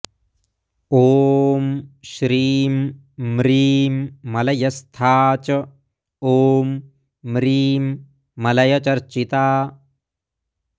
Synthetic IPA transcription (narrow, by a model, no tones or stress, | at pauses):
oːmʃɾiːmː | ɾiːmːɐlɐjɐst̪ʰaːt͡ʃɐ | oːmː | ɾiːmː | ɐlɐjɐt͡ʃɐɾt͡ʃit̪aː